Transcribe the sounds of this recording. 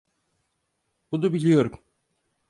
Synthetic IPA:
bunubilʲijo̞ɾum

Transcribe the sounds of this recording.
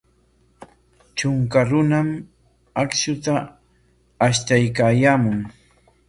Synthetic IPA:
t͡ʃʊŋkaɾʊnam | aksʊt̪aː | ʃt̪ajkaːjaːmʊŋ

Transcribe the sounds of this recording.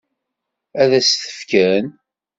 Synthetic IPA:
æðæsθə̥fkæn

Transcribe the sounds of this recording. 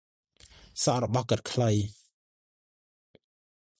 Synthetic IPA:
sɑʔrɔɓɑhkət̪̚kʰləj

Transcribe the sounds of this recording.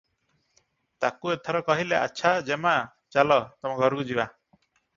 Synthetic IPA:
t̪akuɛt̪ʰɔɾɔkɔɦilɛʔa̰t͡ʃʰad͡ʒɛma | t͡ʃalɔt̪ɔmaɡʱɔɾɡud͡ʒiwa

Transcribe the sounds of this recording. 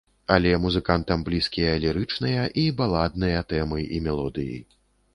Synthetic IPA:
alʲɛmuzɨkant̪ɐmblʲiskʲijɐːlʲɛɾɨt͡ʂnɨjɐʔibalˠad̪̚nɨjɐt̪ɛmɨʔimʲɛlˠɔd̪ɨjḭ

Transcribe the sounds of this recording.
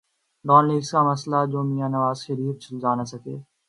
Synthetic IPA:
ɖɔːnliːɡskamɐslad͡ʒoːmijãːnɐʋaːzʃeɾiːət̪̚t͡ʃʰʊlzaːnasɐkḛː

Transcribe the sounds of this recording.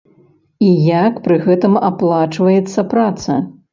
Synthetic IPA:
ijakpɾɨɣɛt̪ɨmaplˠat͡ʂvɐjɛt̪sːɐpɾat̪sɐ̰

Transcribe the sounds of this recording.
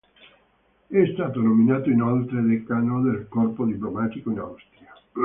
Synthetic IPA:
ɛst̪aːt̪onominaːt̪oinolt̪ɾed̪ekanod̪elkɔrpod̪iplomaːt̪ikoina̰wst̪ɾia

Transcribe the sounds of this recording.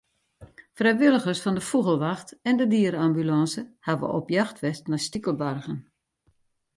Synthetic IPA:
frɛjʋɪlˠəɣərsfɔndəfuɣəlˠʋaxtɛndədiəɾambylɑ̃səhaʋə̰ʔo̰pjaxtʋɛstnastikəlˠbarɣən

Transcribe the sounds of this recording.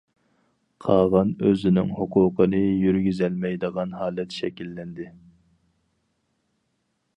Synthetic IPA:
qʰɑːʁɑnøzɪnɪ̰ŋhʊqʰuːqʰənɨjyɾɡʲyzɛlmɛjd̪əʁɑnhɑːlɛt̪ʃɛkʲilːɛnd̪ɪ

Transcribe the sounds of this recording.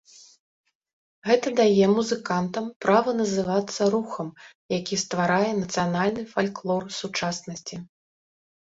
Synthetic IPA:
ɣɛt̪ɐd̪ajɛmuzɨkant̪ɐmpɾavɐnɐzɨvat̪sːɐɾuxɐm | jakʲist̪vaɾajɛnɐt̪sɨjanalʲnɨfalʲklˠɔrsut͡ʂasnɐsʲt͡sʲi

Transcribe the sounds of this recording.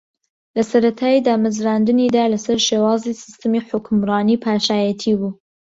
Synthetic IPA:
lɐsɐɾɐt̪ʰaːjid̪aːmɨzɾand̪ɨnid̪aːlɐsɐɾʃeːwɑːzisɨ̥st̪ɨmiːħʊkʰmɾɑːniːpʰaːʃaːjɛt̪ʰibuː

